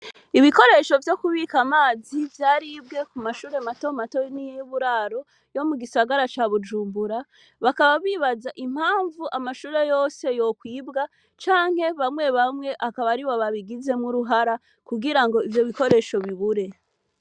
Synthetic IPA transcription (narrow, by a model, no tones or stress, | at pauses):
iβiko̞ɾe̞ʃo̞vjo̞kuβiːkamaːzivjaːɾibɡekumaʃuːɾe̞mato̞mato̞nijβuɾaːɾo̞ | jo̞muɡisaɡaɾat͡ʃaβud͡ʒuːmbuɾa | βakaβaβiːβazaʔim̥haːɱvuʔamaʃuːɾe̞jo̞ːse̞jo̞kwiːbɡa | t͡ʃaːŋ̥he̞βamŋe̞βamŋe̞ʔakaβaɾiβoβaβiɡize̞mŋuɾuɦaɾa | kuɡiɾaŋɡo̞ivjo̞βiko̞ɾe̞ʃo̞βiβuɾe̞